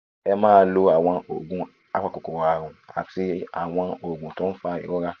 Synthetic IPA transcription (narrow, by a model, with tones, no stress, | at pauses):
ɛ˧mãː˦lo˧a˨w̃ɔ̃˧o˨ɡũ˨ | a̰˦˨k͡pa˨˧ko˨ko˨wa˨ɾũ˨a̰˨si˧˦a̰˨w̃ɔ̃˧o˨ɡũ˨tũ˦fa˧ḭ˨ɡɔ˦ɾa˦